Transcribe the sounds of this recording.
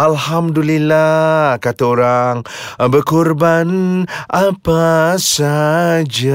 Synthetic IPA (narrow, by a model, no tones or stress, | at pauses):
alhamdulilakat̪aoɾaŋbərkurbanʔapasad͡ʒa